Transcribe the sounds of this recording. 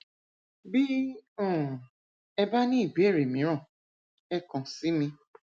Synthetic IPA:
bi˦ɔ̃˦˨ | ɛ˧ba˦nĩ˦i˦˨be˨˦˨ɾe˨mĩ˨˦ɾɔ̃˦˨ | ɛ˦kɔ̃˨si˨˦mĩ˧

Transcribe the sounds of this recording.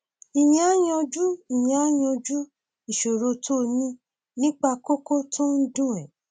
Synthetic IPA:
i˨j̃ã˨a˦j̃ɔ̃˧d͡ʒu˦i˨j̃ã˨a˦j̃ɔ̃˧d͡ʒu˦ | i˨ʃo˨ɾo˧tʰo˦nĩ˦ | nĩ˦k͡pa˧ko˦ko˦tõ˦n̩˦dũ˦˨ɛ̃˨

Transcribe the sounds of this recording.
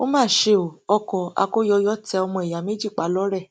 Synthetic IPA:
o˦mãː˦˨ʃe˧o˨ɔ˧kɔ˨a̰˧ko˦jɔ˧jɔ˦tɛ˧ɔ˧mɔ̃˧e˨ja˨me˦d͡ʒi˦˨k͡pa˨˦lɔ˦ɾɛ˦˨

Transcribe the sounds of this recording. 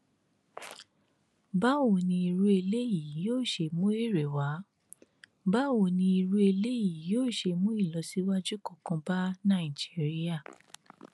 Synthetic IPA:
ba˦wo˨nĩ˧i˧ɾu˦e˧le˦ji˨joː˦˨ʃe˧mũ˦e˦˨ɾe˨wa˨˦ | ba˦wo˨nĩ˧i˧ɾu˦e˧le˦ji˨joː˦˨ʃe˧mũ˦i˦˨lɔ˨˦si˦wa˦d͡ʒu˦kɔ˦˨kɔ̃˧ba˦nã˦˨i˨d͡ʒi˨˦ɾi˦a˦˨

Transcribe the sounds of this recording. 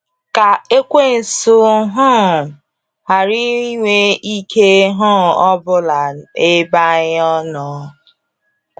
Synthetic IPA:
ka˨e˦kʷe˦˨n̩˨sʊ˨ɦɔ˦˨ | ha˨ɾi˦ŋʷe˦i˦kʰe˦ɦɔ˦˨ɔ˦bʊ˦la˨e˦ba˦ɣɔ˦nɔː˦

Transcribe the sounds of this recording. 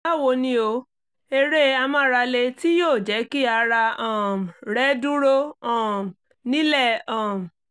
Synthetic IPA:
a˦˨wo˧nĩ˧o˧ | e˧ɾe˦a˧mã˧˦˧ɾa˧le˧ti˦joː˦˨d͡ʒɛ˨˦ki˦a˧ɾa˧ɔ̃˦˨ɾɛ˦dũ˦ɾo˦ɔ̃˦˨ | nĩ˦lɛ˦˨ɔ̃˨

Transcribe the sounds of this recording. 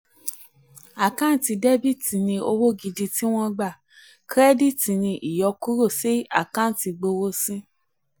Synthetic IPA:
a˨kã˦n̩˦ti˧dɛ˦bi˦˨ti˨nĩ˧o˧wo˦ɡi˧di˧ti˦w̃ɔ̃˧ɡ͡ba˦˨ | kɾɛ˦di˦˨ti˨nĩ˧ʔi˨jɔ˧˦ku˦ɾo˦˨si˦a˦˨kã˦n̩˦ti˧ɡ͡bo˧wo˧˦sĩ˦

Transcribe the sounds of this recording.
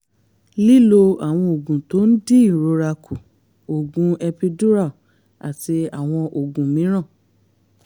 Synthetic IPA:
li˦lo˧a˨w̃ɔ̃˧o˨ɡũ˨to˨˦n̩˦di˦i˦˨ɾo˧ɾa˧kʰu˨ | o˨ɡũ˨˦ɛ˧pi˧du˦ɾa˦˨ | a̰˨ti˧a˨w̃ɔ̃˧ʔo˨ɡũ˨mĩ˨˦ɾ̃ã˦˨

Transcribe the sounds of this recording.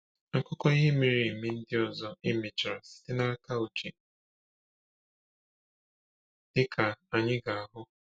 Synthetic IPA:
ŋ̩˨kʊ˦kɔ˦i˦ɦe˦mi˨ɾi˨mi˦n̩˦dɪ˦ɔ˨zɔ˦ɪ˦me˨t͡ʃɾa˨si̥˨˦tɪ˦na˦ka˦o˨t͡ʃi˨ | d̥ɪ˦kʰa˨a˨ɲɪ˦ɡa˨a˦˨ɦʊ˦

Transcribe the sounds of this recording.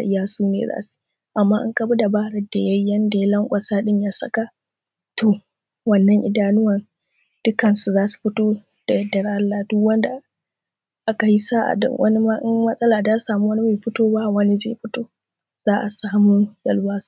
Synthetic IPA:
ʔɪ˦jaː˦suː˦nḛː˨za̰ː˦su̥˦ | ʔa˨mːaː˦ʔɪ̰˦ŋkɐ˦bu˦da˨baː˦ɾɐ˦da˨jɐ˦jɐ˦nda˨ja˦lɐ˦ŋkʷʼɐ˨saː˦ɗɪ˦ɲjaː˦sɐ̰˦ka˦ | toː˨ | wɐ˦nːɐ˦ŋʔɪ̰˦daː˦nʊ˦wɐ˨n | d̥ʊ˦kɐ˨nsu˨zaː˦su̥˨ɸɪ˦toː˦ | d̥a˨jɐ˦dɐ˨ɾʔa˦lːa˨dʊ˦kwɐ˦nda˨ | ʔa˦ka˨ji˦saː˦ʔa̰˨ɗɪ̰˨ŋwʔɐ̰˦ni˦ma˦ʔɪ˦ŋmɐ˦sʼɐ˦laː˨daː˦saː˨mu˦wɐ˦ni˦meː˨ɸɪ˦toː˦ba˦˨wɐ˦ni˦zḛ˦˨ɸɪ˦toː˦ | z̥aː˦ʔa˨saː˦mu˦jɐ˦˨lwaː˦su̥˦

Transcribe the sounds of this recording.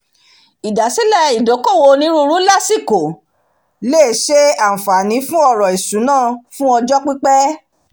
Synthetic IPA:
i˨da˨si˦lɛ˦˨i˨do˨˦ko˦˨wo˧nĩ˨˦ɾu˦ɾu˦la˦˨si˦˨ko˨ | le˦˨ʃe˦a˦˨fa˨nĩ˨˦fũ˦ɔ˦˨ɾɔ˨i˨sũ˨˦nãː˦˨fũ˦ɔ˧d͡ʒɔ˦k͡pi˦k͡pɛ˦

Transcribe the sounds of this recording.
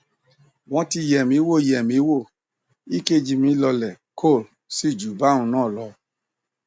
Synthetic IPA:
wɔ̃˧˦ti˧jɛ˨mĩ˨˦wo˦˨jɛ˨mĩ˨˦wo˦˨ | i˦ke˦˨d͡ʒi˧mĩ˨˦lɔ˧lɛ˨ | kʰo˦˨l | si˦˨d͡ʒu˨ba˦ũ˧nãː˦˨lɔ˧

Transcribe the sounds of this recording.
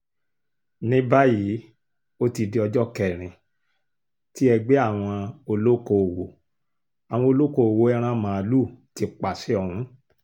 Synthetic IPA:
nĩ˦ba˦ji˨˦ | o˦ti˧di˧ɔ˧d͡ʒɔ˦kɛ˨ɾ̃ĩ˨ | ti˦ɛ˧ɡ͡be˦a˦˨w̃ɔ̃˧o˧lo˦ko˧˨wo˨ | a˨w̃ɔ̃˧o˧lo˦ko˧˨o˨wo˨˦ɛ˦ɾ̃ã˦mãː˨˧lu˦˨ti˧k͡pa˨se˨˦ɔ˧hũ˨˦

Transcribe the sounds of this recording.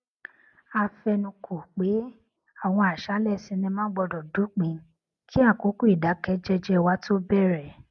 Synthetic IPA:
a˧fɛ˧nũ˧˨kʰo˨k͡pe˨˦ | a˦˨w̃ɔ̃˧a˨ʃa˨˦lɛ˦˨sĩ˧nĩ˧mãː˦ɡ͡bɔ˧dɔ˨du˨˦k͡pĩ˨˧ | kʰi˦a˦˨ko˨˦ku˦i˦˨da˨˦kɛ˧˦d͡ʒɛ˧d͡ʒɛ˦wa˦tʰo˦bɛ˦˨ɾɛ˨

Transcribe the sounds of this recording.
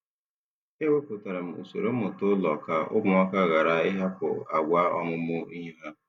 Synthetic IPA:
e˦we˦pʊ˨ta˨ɾa˨m̩˨ṵ˨so̰˨ɾo˦ʊ˨tʊ˦lɔ˨ka˨ʔʊ˦ɡ͡bʊ˨ɔ˦ka˦ɣa˨ɾa˨ɪ˦ɦa˦kʊ̰˨a˨ɡʷa˦ɔ˦ŋʷʊ˦mʊ˦i˦ɦɦa˦

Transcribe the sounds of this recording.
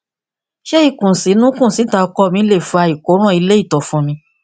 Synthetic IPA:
ʃe˦i˦˨kũ˨si˨˦nũ˦kũ˦˨si˨˦ta˧kɔ˧˨mĩ˧˦le˦˨fa˧i˨ko˨˦ɾ̃ɔ̃˦˨i˧le˦i˦˨tɔ˨fũ˧mĩ˧

